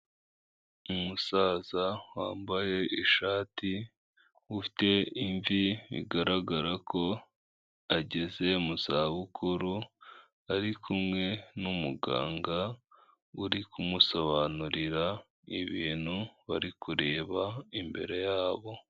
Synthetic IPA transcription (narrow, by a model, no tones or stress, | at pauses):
umusaːzawaːmbaje̞ʔiʃaːti | ufi̥te̞iɱviβḭɡaɾaɡaɾakʰo̞ | aɟe̞ze̞muzaβukʰuɾu | aɾikʰumŋe̞numuɡa̰ːŋɡa | uɾikumuso̞βanuɾiɾa | iβiːn̥huβaɾikuɾe̞ːβaimbe̞̰ɾe̞jaːβo̞